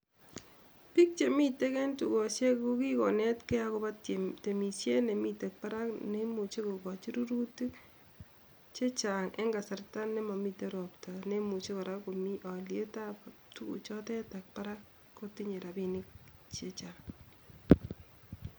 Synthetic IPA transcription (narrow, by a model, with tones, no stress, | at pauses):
pi˦k̚t͡ʃe˨mi˦te˦kɛ˦ntu˨kɔ˨ʃje˦o˦ki˦kɔ˨nɛ˦tke˦a˦ko˦ba˦tte˨mi˨sje˦ne˨mi˦te˨k̚pa˦ɾa˦kne˦mu˨t͡ʃe˦ko˨kɔ˨t͡ʃi˦ɾu˦ɾu˦ti˦ | t͡ʃe˦t͡ʃa˨ŋḛ˦ŋɡa˨sa˨rta˦nːe˦ma˨mi˦te˨˦ɾɔ˨pta˨ne˦mu˨t͡ʃe˦kɔ˨ɾa˦ko˨mi˦ʔɔ˨lje˦ta˦p | tu˦kṵ˨t͡ʃɔ˦tɛ˦ta˨k̚pa˦ɾa˦kː | o˦ti˦ɲe˨ɾa˨bi˦nɪ˦k̚t͡ʃe˦t͡ʃa˨ŋ